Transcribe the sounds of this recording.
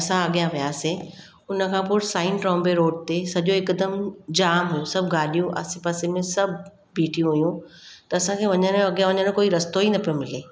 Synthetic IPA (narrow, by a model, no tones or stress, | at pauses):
ɐsãɐɠijãʋijaːsi | ʊnə̆kʰãːpʊɾsaːɪnʈɾɔ̃ːmbeɾoːɖ̚t̪esɐʄoɪkd̪əmd͡ʑaːmɦʊjũsɐbʱɡaːlijũʔɐ̰sĩpɐsemẽsɐbʱ | biːʈʰijũɦujũt̪ɐɐsãkʰeːʋɐɲənɐɠijãʋɐɲəñkoːiɾɐst̪oɦinɐpijomɪleː